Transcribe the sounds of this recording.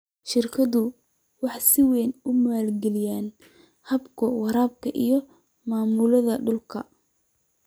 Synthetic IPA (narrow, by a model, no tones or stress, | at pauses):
ʃɪrkʰɐðʊ | wɑħsɪwɛːnʊmaːlɡɛlɪjaːn | hɐbkʰʊwɑɾaːb̚kʰɐʔijɔ | maːmuːlɐðɐɖʊlkʰɐ̰